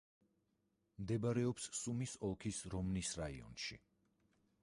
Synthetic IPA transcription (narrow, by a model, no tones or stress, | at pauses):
md̪ɛbaɾɛɔpsːumisɔlˠkʰisɾɔmnisɾaiɔ̰nʃḭ